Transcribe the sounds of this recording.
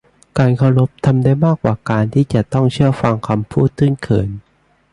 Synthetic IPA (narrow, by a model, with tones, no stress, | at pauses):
kaː˧nkʰa˧wɾo˦˥p̚t̪ʰa˧mdaː˥˩jmaː˥˩kːwaː˨˩kaː˧nt̪ʰiː˥˩t͡ɕa˨˩t̪ɔ˥˩ŋt͡ɕʰɯ˥˩ɐfa˧ŋkʰa˧mpʰuː˥˩t̪̚ʰːɯ˥˩kʰɤ̰ː˩˦n